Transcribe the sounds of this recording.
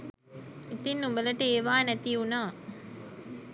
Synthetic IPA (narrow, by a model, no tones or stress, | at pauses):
it̪inːumbələʈəeːʋaːnæt̪iunaː